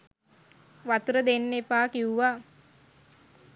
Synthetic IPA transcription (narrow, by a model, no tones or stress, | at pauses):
ʋat̪uɾəd̪enːepaːkiuʋa